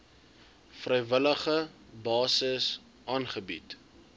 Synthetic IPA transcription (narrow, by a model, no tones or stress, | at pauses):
frəjvələχəbɑːsəs | ʔɑːnχəbit